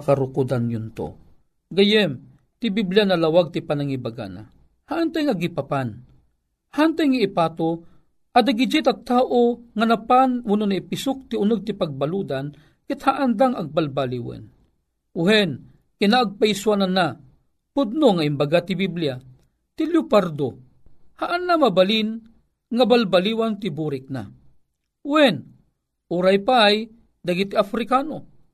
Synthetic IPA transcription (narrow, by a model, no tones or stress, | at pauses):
kaɾʊkud̪anjʊnt̪o̰ | ɡajɛm | t̪ɪbiblijanɐlawaɡ̚t̪ipanaŋibaɡa̰na̰ | haʔant̪ajŋaɡipapan | hant̪ajŋaɪpat̪o | ʔɐd̪aɡid͡ʒit̪aɡ̚t̪aːʔoŋanapanwʊnonaipɪsʊk̚t̪ɪʊnɨɡ̚t̪ɪpaɡ̚balud̪an | kɪt̪haʔand̪aŋa̰ɡ̚balbaliwɛ̰n | uhɛn | kɪnaːɡ̚paiswanana | pʊd̪̚noŋaimbaɡat̪ibiblija | t̪iljupaɾd̪o | haʔanːamabalin | ŋabalbaliwant̪ɪbuɾɪk̚na̰ | ʊhɛn | ʔuɾajpaj | d̪aɡit̪iafɾɪkano